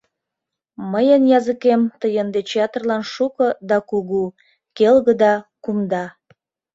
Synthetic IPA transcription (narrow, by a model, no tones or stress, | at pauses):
məjənjɑzəkemt̪əjənd̪et͡ɕeɑt̪ərlɑnʃukɤd̪ɑkuɣu | kelɣəd̪ɑkumd̪ɑ